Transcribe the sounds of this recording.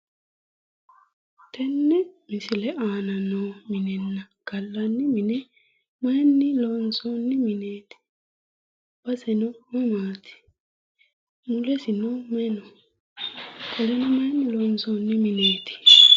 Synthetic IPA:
t̪ʰɛnːɛmɪsɪlɛaːnɐnomɪnɛnːɐ | ɡ̥ɐlːɐnːɪmɪnɛ | mɐjnːɪloːnsonːɪmɪneːt̪ɪ̥ | b̥ɐsɛnɔmɐmaːt̪ɪ̥ | mʊlɛsɪnomɛnɔ | kʰɔlɛnɔmɐnːɪlonsonːɪmɪneːt̪ɪ̥

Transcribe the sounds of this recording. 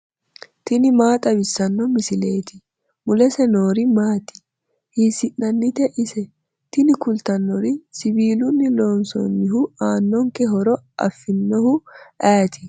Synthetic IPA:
t̪ɪnɪmaːt̪ʼɐbɪsːɐnːɔmɪsɪleːt̪ɪ | mʊlɛsɛno̞ːɾɪmaːt̪ɪ̥ | hiːsɪʔːɐnːɪt̪ɛʔɪsɛ | t̪ɪnɪkʊlt̪ɐnːɔɾɪsɪbiːlʊnːɪloːnsɔ̰nːɪɦʊaːnːɔŋkɛɦɔɾɔɐ̰fːɪnːɔhʊʔaːɐt̪ʰɪ

